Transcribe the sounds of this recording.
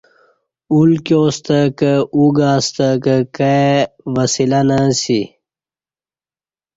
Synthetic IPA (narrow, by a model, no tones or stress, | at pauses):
ulkjoːst̪əkəuɡaːst̪əkəkaeʋɐsilanasi